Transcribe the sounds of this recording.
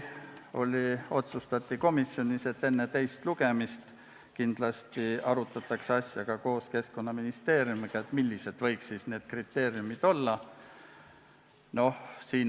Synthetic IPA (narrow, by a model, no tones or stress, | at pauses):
o̞lʲio̞t̪sust̪ɑt̪ʲːˑiko̞misːjo̞nʲise̞t̪ːe̞nːet̪e̞jst̪luɡ̥e̞mist̪ | kind̪̥lɑst̪iɑɾut̪ːˑɑt̪ːˑɑksɑsʲjɑɡ̥ɑko̞ːske̞sko̞nːɑminist̪e̞ːɾiumiɡ̥ɑet̪ˑmilʲːise̞d̪vɤ̞jksisne̞ːd̪̥̚krit̪ːe̞ːɾiumid̪̥o̞lːɑ | no̞hsiːn